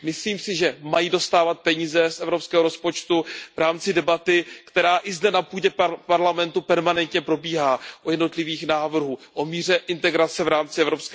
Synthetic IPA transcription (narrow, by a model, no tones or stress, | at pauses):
mɪsliːmsɪʒɛmajiːdo̞st̪aːvat̪̚pɛɲiːzɛsʔɛvɾo̞pskɛːɦoɾo̞spo̞t͡ʃt̪uvɾaːmt͡sɪdɛbat̪ɪkt̪ɛɾaːʔɪzdɛnapuːɟɛpaɾlamɛnt̪upɛɾmanɛnt̪ɲɛpɾo̞biːɦaːʔojɛdno̞t̪lɪviːxnaːvr̩ɦuːʔomiːr̝ɛʔɪnt̪ɛɡɾat͡sɛvɾaːmt͡sɪɛvɾo̞pskɛ